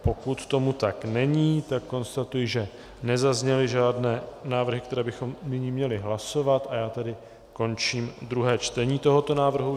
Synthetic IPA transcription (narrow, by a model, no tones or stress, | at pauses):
po̞kut̪t̪o̞mut̪aknɛɲiːt̪akːo̞nst̪at̪ujɪʒɛ | nɛzazɲɛlɪʒaːdnɛːnaːvr̩ɦɪkt̪ɛɾɛːbɪxo̞mnɪɲiːmɲɛlɪɦlaso̞vat̪ʔajaːt̪ɛdɪ | ko̞nt͡ʃiːmd̪ɾuɦɛːt͡ʃt̪ɛɲiːt̪o̞ɦo̞t̪o̞naːvr̩ɦu